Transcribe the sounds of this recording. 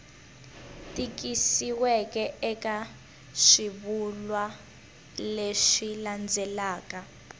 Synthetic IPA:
tʼik̬isiwɛkʼɛɛkʼa | ʂiβulwa | leʂiland͡zʱɛlaːka

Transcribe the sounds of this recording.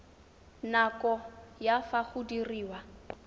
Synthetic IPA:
nakʼɔjafaχudiriːwa

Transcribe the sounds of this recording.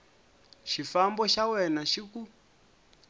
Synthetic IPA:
ʃifambɔʃawɛnaʃiku

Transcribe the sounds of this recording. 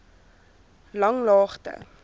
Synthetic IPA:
lɐŋlɑːχtə̰

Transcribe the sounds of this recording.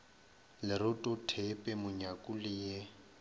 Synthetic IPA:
lɪɾʊtʼʊtʰepʼɛmʊɲakʼulɪje

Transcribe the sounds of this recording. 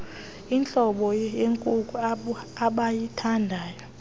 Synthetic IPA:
int͡ɬʼɔɓɔjeŋkʼukʼuaɓajitʰandʱaːjɔ

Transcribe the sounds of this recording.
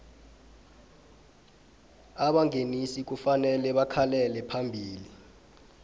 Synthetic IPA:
aɓaŋenisik̬ufanɛlɛɓakʰalɛlɛpʰambʱiːli

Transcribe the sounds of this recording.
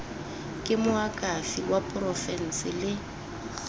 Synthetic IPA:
kʼɪmʊakʼafiwapʼrɔfɛn̩sɪlɪ

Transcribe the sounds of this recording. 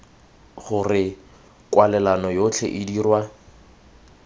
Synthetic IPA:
χʊrɪ | kwalɛlanɔjot͡ɬʰḛʔɪdiːrwa

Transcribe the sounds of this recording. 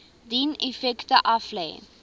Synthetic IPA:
dinɛfɛktəʔɐflɛj

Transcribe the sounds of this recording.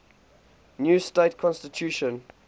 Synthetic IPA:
njuːsteɪtkʰɔ̃nstitʰjuːʃə̃n

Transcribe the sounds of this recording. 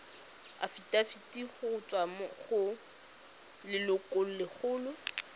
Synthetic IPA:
a̰fitʼafitʼiχʊʊt͡sʼwamɔχʊ | lɪlʊkʼol̩lɪχʊːlʊ

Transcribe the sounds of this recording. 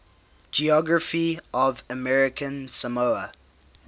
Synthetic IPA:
d͡ʒiɔɡɹəfiʔɔvəmɛɹɪkʰə̃nsəmoə

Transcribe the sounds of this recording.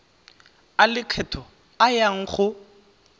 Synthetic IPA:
alɪkʰɛtʰɔ | ajaŋ̩χʊ

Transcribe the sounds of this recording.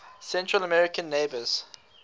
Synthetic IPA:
sɛ̃ntɹələmɛɹɪkə̃nːeɪbəz̥

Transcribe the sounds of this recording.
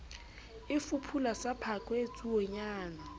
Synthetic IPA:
ifupʰulasapʰakʼwet͡sʼuwɔɲaːna

